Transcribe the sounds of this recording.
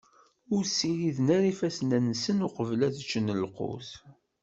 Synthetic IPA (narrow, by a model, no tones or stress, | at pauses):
ʊɾsiɾiðnæɾifæsnænsənʊqəvlæðt͡ʃːənəlqo̰θ